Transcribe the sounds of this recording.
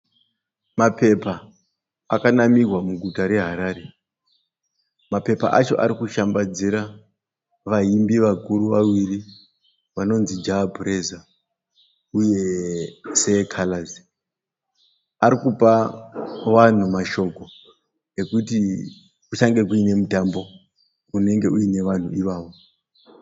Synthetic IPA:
mape̞pa | akanamirwamuɡʱutaɾe̞ɦaɾaːɾe̞ | mape̞pa̰ʔat͡ʃo̞ʔaɾikuʃambad͡ziɾa | ʋaimbiʋakuɾuʋawiri | ʋano̞nzid͡ʒapureza | uje̞ | se̞kʰalazi | aɾikupa | ʋan̤umaʃo̞ko̞ | e̞kuti | kut͡ʃaŋɡe̞kuine̞mutambo̞ | une̞ŋɡe̞uine̞ʋan̤uiʋaːʋo̞

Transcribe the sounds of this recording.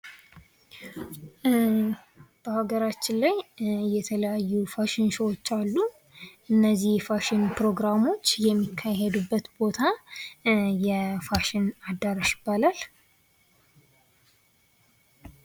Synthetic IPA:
b̥əhaɡəɾat͡ʃːɪnlajːɛt̪ʰələjajːufaʃɪnsəwot͡ʃːalːu | ʔɨnːəzːihfaʃɪnpɾo̞ɡɾamo̞t͡ʃːjɛmːikʰːaɦed̪ubːət̪bo̞t̪ʰa | jɛfaʃɪnad̪aɾaʃɪ̥bːalal

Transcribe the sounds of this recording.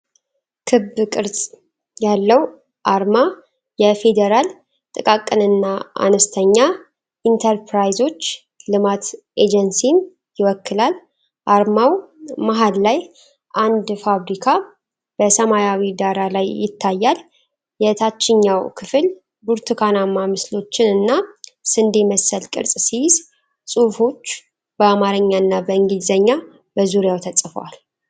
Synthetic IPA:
kʰɨbɨkʼɨɾsʼ | jalːəw | ʔaɾma | jɛfe̞d̪eɾal | t̪ʼɨkʼakʼːɨnɨnːaʔa̰nəst̪ʰəɲːa | ʔint̪ʰəɾpɾajzo̞t͡ʃː | lɨmat̪ʔed͡ʒɛnsin | jɪwɔkːɨlal | ʔaɾmawmaɦallaj | ʔand̪faβɾikʰa | b̥əsəmajawid̪aɾalajːɪ̰t̪ʰːajːal | jɛt̪ʰat͡ʃːɪɲːawkʰɨfɨl | buɾt̪ʰɨkʰanamːamɨslo̞t͡ʃːɪnɨnːasɨnd̪eməsːəlkʼɨ̰ɾsʼsijz | sʼufo̞t͡ʃː | b̥əamaɾɨɲːanːabəɨŋɡizəɲːa | bəzuɾjawt̪ʰəsʼfə̰wa̰l

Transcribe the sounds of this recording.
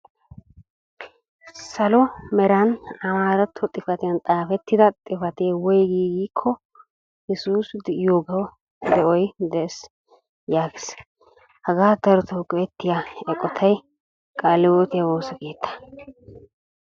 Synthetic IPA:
sɐlɔmɛɾɐnɐmaːɾɐt̪ʰːɔt̪ʼɪfɐt̪ɪjɐnt̪ʼaːfɛt̪ːɪd̪ɐt̪ʼɪfɐt̪eːwɔjɡiːɡiːkʰːɔ | jɛsuːsjoːɡɐw | d̪ɛʔɔjd̪ɛɛs | jaːɡɪs | hɐɡaːt̪ɐɾɔt̪oːkːɔɛt̪ːɪjaɛkʼːɔt̪ʰɐj | kʼaːlːɪwoːt̪ɪjawoːsɔke̞ːt̪ʰːɐ̥

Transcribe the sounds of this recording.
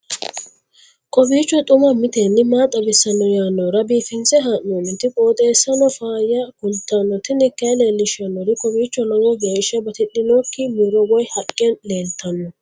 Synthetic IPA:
kʼɔbiːt͡ʃːɔt̪ʼʊmɐmɪt̪eːnːɪmaːt̪ʼːɐbɪsːɐnːɔjaːnːɔɾɐbiːfɪnsɛɦanːonɪt̪ɪkʼoːt̪ʼeːsːɐnɔfaːjɐkʊlt̪ːanːɔt̪ɪnɪkːɐjleːlːɪʃɐnːɔɾɪkʼɔbiːt͡ʃːɔlɔwɔɡeːʃɐbɐt̪ɪɗːɪnoːkːɪmɪɾɔwɔjhɐkʼːɪɐnle̞ːlt̪ɐnːɔ

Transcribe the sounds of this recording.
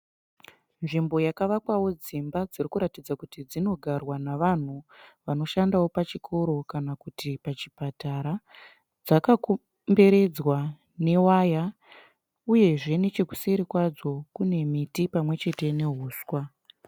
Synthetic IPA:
nʐimbo̞jakaʋakwawo̞d͡zimbad͡zirikuɾatid͡zakutid͡zino̞ɡʱarwanaʋan̤uʋano̞ʃandawo̞pat͡ʃikʰo̞ɾo̞kanakutʰipat͡ʃipataɾa | d͡zakako | mbe̞ɾe̞d͡zwa | ne̞waja | uje̞ʐe̞ne̞t͡ʃeku̥seɾikwad͡zo̞kune̞mitipamwe̞t͡ʃe̞te̞ne̞ɦuːskwa

